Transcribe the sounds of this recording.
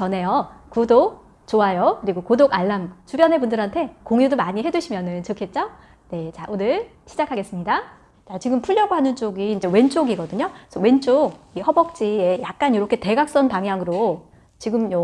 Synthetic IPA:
t͡ɕʌne̞jʌkudo | t͡ɕoajokɯɾiɡokodoɡaɭːamt͡ɕubjʌnɦe̞pundɯɾɦantʰe̞koŋjudomaɲiɦe̞duɕʰimjʌnɯnt͡ɕɯkʰet̚t͡ɕ͈o | ne̞t͡ɕaʔonɯɭ | ɕʰid͡ʑakʰaɡe̞s͈ɯmɲida | t͡ɕat͡ɕiɡɯmpʰuʎːʌɡoɦanɯnt͡ɕ͈oɡiːnd͡ʑe̞we̞nt͡ɕ͈oɡiɡʌdɯɲosʰʌwe̞nt͡ɕ͈ok̚ihʌbʌk̚t͡ɕ͈ie̞jak̚k͈anjiɾʌkʰe̞te̞ɡak̚s͈ʌnpaŋɦjaŋɯɾo | t͡ɕiɡɯmjʌ

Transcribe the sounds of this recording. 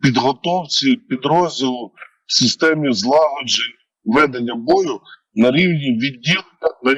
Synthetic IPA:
pʲid̪ɦɔt̪ɔwt͡sʲipʲid̪ɾɔzʲdʲɪlˠʊ | sɪst̪ɛmʲizlˠɑlˠɔd͡ʒenʲ | ʋɛd̪enʲːɐbɔjʊ | nɐɾʲiwnʲiʋʲidʲːilˠɐnɐ

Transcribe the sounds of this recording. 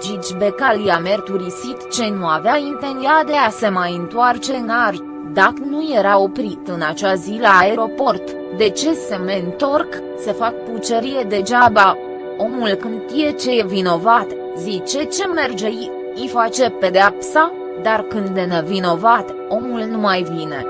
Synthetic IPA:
d͡ʒit͡ʃbe̞kalijame̞rt̪uɾisit̪t͡ʃe̞nuaveaint̪e̞nd̪iad̪e̞ase̞majɨnt̪uart͡ʃe̞nar | d̪aknuje̞ɾao̞pɾit̪ɨnat͡ʃazilaːeɾo̞po̞rt̪ | d̪e̞t͡ʃe̞se̞me̞ɨnt̪o̞rk | se̞fak̚put͡ʃeɾije̞d̪e̞d͡ʒaba | o̞mulkɨnd̪ʃt̪ije̞t͡ʃe̞jevino̞vat̪ | zit͡ʃe̞t͡ʃe̞me̞rd͡ʒe̞j | ifat͡ʃe̞pe̞d̪eapsa | d̪arkɨnd̪enevino̞vat̪ | o̞mulnumajvine̞̰

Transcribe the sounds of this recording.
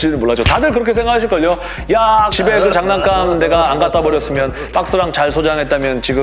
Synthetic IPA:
t͡ɕ͈iɭnɯnmoɭːad͡ʑotadɯɭkɯɾʌkʰe̞s̬ʰe̞ŋɡakʰaɕʰiɭk͈ʌʎo | jat͡ɕibe̞ɡɯɭt͡ɕaŋnaŋk͈amne̞ɡaːnɡat͈abʌɾjʌs͈ɯmjʌn | p͈ak̚s͈ɯɾaŋt͡ɕaɭsʰod͡ʑaŋɦet̚t͈amjʌnt͡ɕiɡɯ

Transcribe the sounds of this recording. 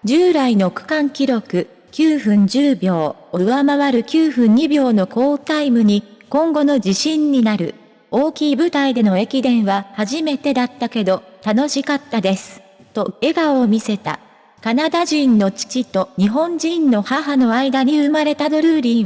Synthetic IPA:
d͡ʑɨːɾaino̞kɯ̟̥kãŋkʲiɾo̞kɯ̟ | kʲɨːɸɯ̟̃ɲ̟d͡ʑɨːbʲjo̞ː | oɯamaβaɾɯ̟kʲɨːɸɯ̟̃ɲ̟ɲibʲjo̞ːno̞ko̞ːt̪aimɯ̟ɲ̟ikõ̞ŋɡo̞no̞d͡ʑiɕĩɲ̟ːinaɾɯ̟̰ | o̞ːkʲiːbɯ̟t̪aid̪e̞no̞e̞kʲid̪ẽ̞ɰ̃βahaʑime̞t̪e̞d̪at̪ːake̞d̪o̞t̪ano̞ɕikat̪ːad̪e̞sɨ̥ | t̪o̞e̞ɡaomʲise̞t̪a̰ | kanad̪aʑĩnːo̞t͡ɕi̥t͡ɕit̪o̞ɲ̟iɦõ̞ɲd͡ʑĩnːo̞haɦano̞aid̪aɲ̟iɯ̟maɾe̞t̪ad̪o̞ɾɯ̟ɾʲĩ

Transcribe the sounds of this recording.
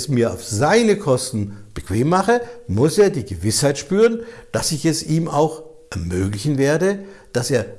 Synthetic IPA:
smiːɐa̰ʊfz̥aɪnəkʰɔstn̩b̥əkv̥eːmːaχəmʊseːɐdiːɡəvɪshaɪtʃpyːʁənd̥asɪçɛsiːma̰ʊx | ʔɛɐmøːklɪçn̩veːɐdəd̥aseːɐ

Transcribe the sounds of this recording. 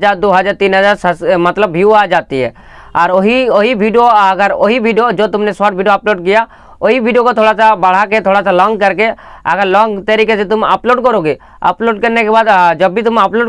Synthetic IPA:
d͡ʒaːɾd̪oɦəd͡ʒaːɾt̪iːnɦəd͡ʒaːɾsəmət̪ləbɦiuad͡ʒaːt̪iɦɛ̰ | aɾoɦioɦibʱiɖijoəɡəɾoɦibʱiɖijod͡ʒot̪ʊmnesaʈ̚bʱiɖijoaploːɖkɪja | oɦibʱiɖijokot̪ʰoːɽasabəɽ̤aket̪ʰoːɽasalɔ̃ːŋɡ̚kəɾkeəɡəɾlɔ̃ːŋɡt̪əɾikeset̪ʊmə̰ploɖkɔɾoɡe | ə̰ploːɖkəɾnekebaːd̪d͡ʒəbʱit̪ʊməploːɖ

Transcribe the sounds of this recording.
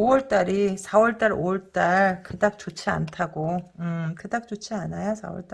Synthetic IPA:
owʌɭt͈aɾisʰawʌɭt͈aɾo̰ʌɭt͈aɭkɯdak̚t͡ɕ͈ot͡ɕʰia̰ntʰaɡoɯkɯdak̚t͡ɕ͈ot͡ɕʰianajasʰa̰wʌ̰ɭt͈a

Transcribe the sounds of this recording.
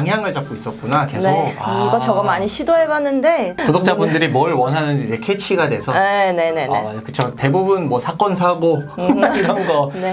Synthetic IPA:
aŋɦjaŋɯɭt͡ɕap̚k͈ois͈ʌt̚k͈unakesnoaiɡʌt͡ɕʌɡamaɲiɕʰidoɦebanːɯnde̞todok̚t͡ɕ͈abundɯɾimʌɭwʌnɦanɯnd͡ʑiːd͡ʑe̞kʰet͡ɕʰiɡadwe̞sʰʌene̞ne̞nekɯt͡ɕʰote̞bubunmʌsʰak͈ʌnsʰaɡoiɾʌnɡʌne̞

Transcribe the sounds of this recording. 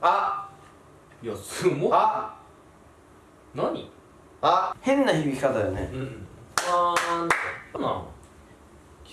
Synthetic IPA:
a | josɨmoa | naɲ̟ḭ | ahẽ̞nːaçibʲikʲi̥kat̪ajonḛ̃ | a | nã̰

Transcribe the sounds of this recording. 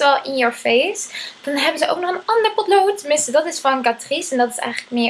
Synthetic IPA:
ɛlˠɪnjəɹfejsd̥ɑnɦɛbənzəʔo̰ʊwk̚nɔχənɑndəɹpɔtlowtːəmɪnstədɑtɪsfɔnɡatrisɛndɑtɪ̥sɛ̰jχələk̚mɪ

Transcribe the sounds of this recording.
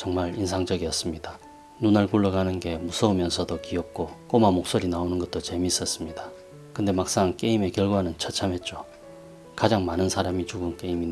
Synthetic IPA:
t͡ɕʌŋmaɾinsʰaŋd͡ʑʌɡiʌs͈ɯmɲida | nunaɭkuɭːʌɡanɯnɡe̞musʰʌumjʌnsʰʌdokiʌp̚k͈ok͈omamok̚s͈oɾinaonɯnɡʌt͈̚ot͡ɕe̞miːs͈ʌs͈ɯmɲida | kɯnde̞mak̚s͈aŋk͈e̞ime̞kjʌɭɡwanɯnt͡ɕʰʌt͡ɕʰamɦe̞t̚t͡ɕ͈o | kad͡ʑaŋmanɯnsʰaɾamit͡ɕuɡɯnk͈e̞imi

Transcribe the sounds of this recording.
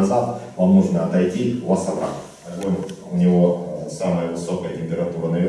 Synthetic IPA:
zat̪vamnuʐnəɐt̪ɐjtʲivasɐbɾa̰tʲ | ɐɡonʲʊnʲɪvo̞saməjəvɨso̞kəjətʲɪmʲpʲɪɾɐt̪uɾənɐvʲi

